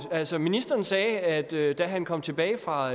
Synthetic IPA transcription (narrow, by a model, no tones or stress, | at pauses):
ælsɒminisd̥ɐːnsɛːæd̥ød̥æɦænkʰɒ̽m̰t͡sʰe̝b̥ɛːɪfʁɑ̈